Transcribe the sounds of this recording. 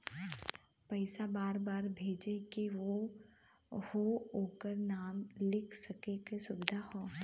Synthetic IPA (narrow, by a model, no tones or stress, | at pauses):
pɐɪsabaːɾbaːɾbʱeːd͡ʒekiʋo | hooːkəɾnaːmlɪkʰsɐkekesʊbɪd̪ʱahoː